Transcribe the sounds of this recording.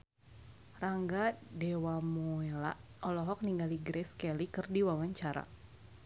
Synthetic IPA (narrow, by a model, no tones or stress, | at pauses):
raŋɡadɛwamɔela̰ | ɔlɔɦɔk̚niŋɡaliɡɾɛskɛlikɨrdiwawaɲt͡ʃaɾa̰